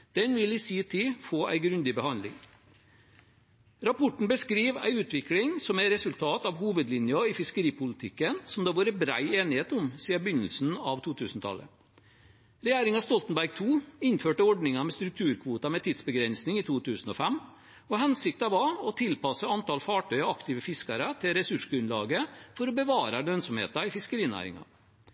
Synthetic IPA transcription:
d̪̥ɛnʋɪlɪsiːt̪ʰifoːʔæ̰ɪɡɾʉnd̪ɪbəhɑnd̪lɪ̰ŋ | ɾɑpʰɔʈɳ̩bəskɾiːʋæ̰ɪʉːt̪ʰʋɪklɪŋsɔmæɾɛsʉlt̪ʰɑːt̪ɑʋhuːʋəd̪lɪnjɑɪfɪskəɾiːpʊlɪt̪ʰɪkːənsɔmd̪ɑːʋɑːɾəbɾæ̰ɪeːnɪheːt̪ʊmsiːəbʏnːəlsn̩ɑʋt̪ʰuːt̪ʰʉːsnət̪ʰɑ̰lːə̰ | ɾɛjæːɾɪŋɑst̪ɔlt̪n̩bæɾɡ̚t̪ʰuːɪnføːʈəɔɖnɪŋɑmɛst̪ɾʉk̚t̪ʰʉːɾkʰʋuːt̪ɑmɛt̪ʰiːd̪sbəɡɾɛnsnɪŋit̪ʰuːt̪ʰʉːsn̩ɔfɛm | ɔhɛnsɪk̚t̪ɑʋɑɔt̪ʰɪlpɑsəɑnt̪ɑlfɑːʈœʏɑɑkt̪ɪːʋəfɪskɑɾət̪ʰɪlɾɛsʉʂɡɾʉnlɑ̰ːɡəfɔɾɔbəʋɑːɾɑlønsɔmhḛːt̪ɑɪfɪskəɾiːənæ̰ːɾɪ̰ŋɑ̰

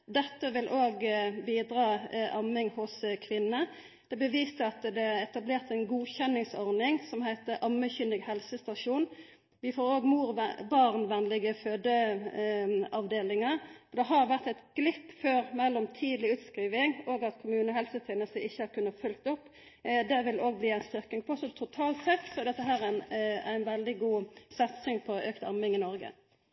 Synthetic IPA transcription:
d̪ɛt̪ːəʋɪlʔoːɡbiːd̪ɾɑːʔɑmɪŋhʊskʰʋɪnːə | d̪̥ɛbəʋiːst̪əɑt̪d̪ɛɛt̪ɑbleːʁt̪æɪnɡuːçɛnːɪŋsɔɾnɪŋsɔmhæɪt̪əʔɑmːəçʏnd̪əɡhɛlsəst̪ɑʂuːn | ʋɪfoːɾoːɡmuːʁbɑʁnʋɛnlɪɡəføːd̪ə | ɑʋd̪eːlɪŋəɔd̪ɛɦɑɾʋæʁt̪ɛɪt̪ɡ̥lɪpːføːɾmɛlːɔmt̪ʰiːd̪lɪʉːt̪skʁiːʋɪŋoːɡɑt̪kʰʊmʉːnəɦɛlsəfɪnəsəʔɪçːəhɑʁkʉnːəfʉlk̚t̪ɔpː | d̪ɛʋɪloːɡ̚bliːæɪnst̪ʏʁkɪŋpʰɔɔsɔt̪ʰʊt̪ʰɑːlt̪sɛt̪sɔd̪ɛt̪ːəɦæːʁæn̰æɪnʋɛld̪ɪɡuːsɛt̪sʏŋpʰɔøːkt̪ɑmɪŋɪnɔʁɡə̰

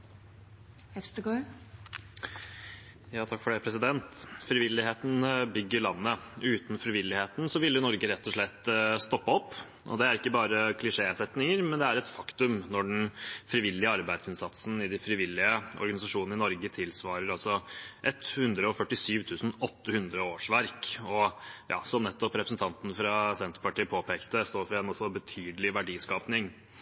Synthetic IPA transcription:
hɛst̪əɡɔ | jɑːt̪ʰɑkfɔɖæpʰɾɛsɪd̪ɛnt̪fɾɪʋɪlːɪheːt̪n̩bʏɡːəɭɑnːəʉːt̪n̩fɾɪʋɪlːɪheːt̪n̩sɔʋɪlːjʊnɔɾɡəɾɛt̪ːɔʂɭɛt̪ːst̪ɔpːəɔpː | ʔɔ̰d̪ɛæɾɪkːəbɑːɾəkʰlɪʂeːsɛt̪nɪŋəɾmɛnd̪ɛæɾɛt̪fɑkt̪ʉmnɔɖɛnfɾɪʋɪlːɪəɑɾbæɪd̪sɪnsɑt̪sn̩ɪd̪ɪfɾɪʋɪlːɪəɔ̰ɾɡɑnɪsɑʂuːnn̩ɪnɔɾɡət̪ʰɪlsʋɑːɾəɾɑsɔʔɛt̪hʉnd̪ɾəɔfœʈːɪsyːʋt̪ʰʉːsn̩ɔt̪ːəhʉnd̪ɾəoːʂʋæɾkɔjɑ̰ːsɔmnɛt̪ːɔpɾɛpɾəsn̩t̪ʰɑnt̪nfɾɑsɛnt̪əɾpɑʈiːpʰoːpʰeːkt̪əst̪oːɾfɾɛnɔsːɔbət̪ʰyːd̪əlɪʋæɖiːskɑːpnɪŋ

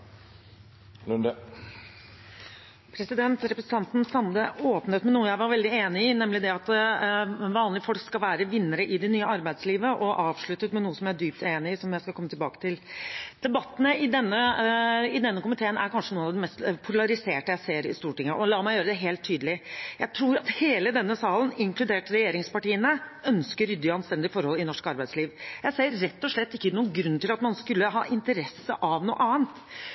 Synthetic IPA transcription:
lʉnd̪ə | pʰɾɛsɪd̪ɛnt̪ɾɛpɾəsət̪ɑnt̪n̩sɑnd̪əoːpnət̪mɛnuːəjæɪʋɑɾʋɛld̪ɪeːnɪɪnɛmlɪd̪ɛɑt̪ | ʋɑːnlɪfɔlkskɑlʋæːɾəʋɪnːəɾəʔɪd̪ɛnyːəɑɾbæɪd̪sliːʋəʔɔʔɑːʋʂɭʉt̪ːət̪mɛnuːəsɔmjææɖyːp̚t̪ʰeːnɪɪsɔmjæɪskɑlkɔmːət̪ʰɪlbɑ̰ːkə̥t̪ʰɪld̪̥ɛbɑt̪ːn̩əɪd̪ɛnːə | ɪd̪ɛnːəkʊmɪt̪ʰeːənæ̰ɾkɑnʂənuːnɑʋd̪ɛmɛst̪pʰʊlɑɾɪseːʈəjæɪseːɾɪ̰st̪uːʈɪŋːəʔɔlɑːmæɪjøːɾəd̪ɛɦeːlt̪ʰːyːd̪əlɪjæɪt̪ʰɾuːɾɑt̪heːləd̪ɛnːəsɑːlən̩ɪŋklʉd̪eːʈɾɛjeːɾɪŋspɑʈiːənəœnskəɾʏd̪ːɑnst̪ɛnd̪ɪfɔɾhɔlɪnɔʂkɑɾbæɪsliːʋjæɪseːəɾːɛt̪ːɔʂɭɛt̪ːɪkːənuːəɡɾʉnːt̪ɪlɑt̪mɑnskʉlːəɦɑ̰ːʔɪnt̪əɾɛsːəʔɑʋnṵːəʔɑːənt̪

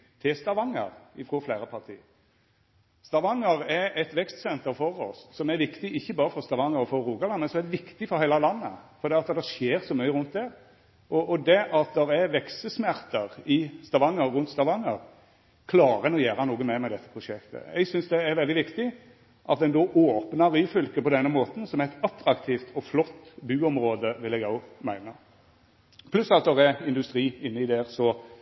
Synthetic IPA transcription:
t̪ʰɪlst̪ɑʋɑŋə̰ɾɪfɾoflæːɾəpʰɑɾt̪ʰḭː | st̪ɑʋɑŋːəɾɛɾɛt̪ʋɛkst̪sɛnt̪əɾfɔɾɔ̰sːɔmæɾʋɪkt̪ɪʔɪçːəbɑːɾəfɔɾst̪ɑʋɑŋəɾɔfɔɾːuːɡɑlɑnmɛnsɔmæɾd̪ɛʋɪkt̪ɪfɔɾhæɪlɑlɑnːə̰fɔɾd̪ɛːɑt̪d̪ɛʂeːɾsɔmyʏəɾʉnt̪̚d̪ɛɾ | ʔɔʔɔd̪ɛʔɑt̪̚d̪ɛɾɛɾʋɛksəsmæɾt̪əɾɪst̪ɑʋɑŋːəɾɾʉnt̪st̪ɑʋɑŋːəɾ | kʰlɑːɾənɔjæːɾɑnuːɡənmɛmɛɪd̪ɛt̪ːə̥pʰʁʊʂɛkt̪ə̰ɛ̰ɡsʏnsd̪ɛːɾʋɛld̪ɪʋɪkt̪ɪ | ʔɑt̪̚d̪ɛnd̪oːʔoːpnɑɾiːfʏlkəpɔd̪ɛnːəmoːt̪n̩sɔmɛɛt̪ɑt̪ːɾɑkt̪ʰiːft̪ʰɔflɔt̪ːbʉːɔmɾoːd̪əʋɪlɛɡɑʊmæɪnə | pʰlʉsɑt̪̚d̪ɛʁɛɪnd̪ʉst̪ɾiːɪnːəɪd̪ɛɾsɔ

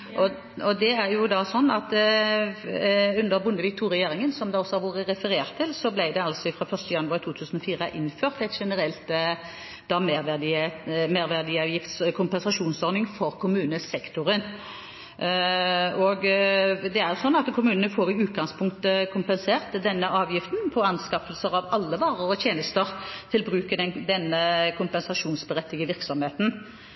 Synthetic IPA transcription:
ʔɔ | ɔd̪ɛæɾjʊd̪ɑsɔnːɑt̪ | ʉnd̪əɾbʊnd̪əʋɪk̚t̪ʰuːɾɛjeːɾɪŋənsɔmd̪ɑɔsːɔhɑɾʋoːɾəɾɛfəɾeːʁt̪ʰːɪlsɔblæɪd̪ɛɑlsɔɪfɾɑːfœʁst̪əjɑnːʉɑːʁt̪ʰuːt̪ʰʉːsən̩ɔfiːʁəʔɪnføːʁt̪ɛt̪ʃɛnəɾɛlt̪ | d̪ɑmɛd̪meːʁʋæʁd̪ɪɑʋjɪft̪skʰʊmpɛnsɑʃuːnsɔɾnɪŋfɔʁkʰʊmʉːnəsɛkt̪ʊɾən | ɔɡd̪ɛæʁjʊsɔnːɑt̪kʰʊmʉːnənəfoːʁɪʉːt̪̚ɡɑŋspʰʊŋkt̪əkʰʊmpɛnseːʁt̪d̪ɛnːəʔɑːʋjɪft̪npʰɔɑnskɑfəlsəʁɑʋɑlːəʋɑːʁəʁɔt̪jeːnəst̪əʁt̪ʰɪlbʁʉːkəd̪ɛnd̪ɛnːəkʰʊmpɛnsɑʂuːnsbəʁɛt̪ːɪɡəʋɪʁksɔmheːt̪n̩

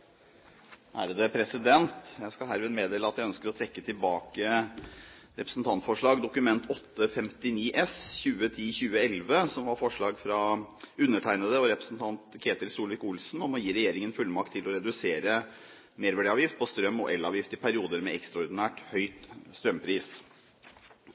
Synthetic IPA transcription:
hæ̰ːɾəd̪əpʰɾɛsɪd̪ɛnt̪jæskɑlɦæːɾʋɪːd̪meːd̪eːləɑt̪jæɪœnskəɾɔt̪ʰɾɛkːət̪ʰɪlbɑːkə | ɾɛpɾəsn̩t̪ʰɑnt̪fɔʂɭɑːɡd̪ʊkʉmɛnt̪ʰɔt̪ːəfɛmt̪ɪniːʔɛsçʉːət̪ʰiːçʉːəɛlʋəsɔmʋɑɾfɔʂɭɑːɡfɾɑʉnːəʈʰæɪnəd̪əɔɾɛpɾəsn̩t̪ʰɑnt̪kʰeːt̪əɾsuːlʋɪkʊlsn̩ɔmɔjiːɾɛjeːɾɪŋənfʉlːmɑk̚t̪ʰːɪlɔɾɛd̪ʉseːɾə | meːɾʋæɖiɑːʋjɪft̪̚pʰɔst̪ɾœmːɔ̰ʔɛlːɑːʋjɪft̪ɪpʰæɾɪuːd̪əɾmɛɛkst̪ɾɑɔɾd̪ɪnæːʈhœʏt̪st̪ɾœmpʰɾiːs

